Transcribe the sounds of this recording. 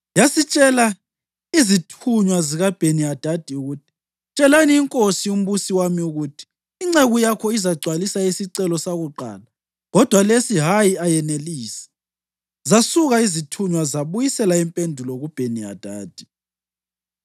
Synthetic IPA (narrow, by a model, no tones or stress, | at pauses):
jasit͡ʃʼɛla | izitʰuɲwaziɣab̥ʱeniad̥ʱad̥ʱiuɣutʰi̥ | t͡ʃʼɛlaniːŋkʼosium̩βusiwamiuɣutʰi̥ː | ŋ͡ǀeɣujakʰɔizaɡ͡ǀʱwalisaisiǀɛlɔsaɣuǃa̰ːla | ɣɔd̥ʱwalesiɦajiajɛneliːsɛ̥ | zasuɣaizitʰuɲwazaβujisɛlaimpʼendʱulɔɣub̥ʱenia̰d̥ʱaːd̥ʱi